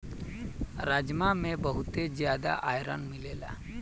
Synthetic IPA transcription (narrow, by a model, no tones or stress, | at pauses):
ɾaːd͡ʒmamẽbəɦʊt̪ezjaːd̪a̰ʔaːjɾə̰nmɪleːla̰